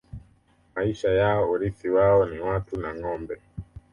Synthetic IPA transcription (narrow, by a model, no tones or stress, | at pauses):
maiʃajaɔuɾisiwaɔniwatunaŋɔmbɛ